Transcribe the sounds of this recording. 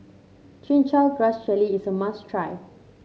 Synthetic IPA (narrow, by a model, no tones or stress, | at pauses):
t͡ʃĩnt͡ʃalɡɹast͡ʃɛliisəmastʰɹaj